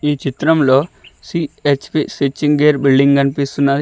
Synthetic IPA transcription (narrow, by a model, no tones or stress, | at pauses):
iːt͡ʃit̪ɾɐmlo̞ːsiet͡ʃpisit͡ʃːiŋɡeːɾbilɖiŋɡɐnipist̪unːaːɾi